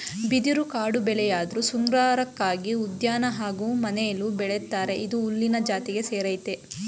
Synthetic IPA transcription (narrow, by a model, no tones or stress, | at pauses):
bid̪iɾukaːɽubɛlɛjaːd̪ɐɾusuŋɡɾaːɾɐkːaːɡiud̪jaːnɐɦaːɡuːmɐnejɐlubɛɭet̪ːaːɾe̞ʔid̪uːlːinɐd͡ʒaːt̪iɡe̞seːɾɐjt̪e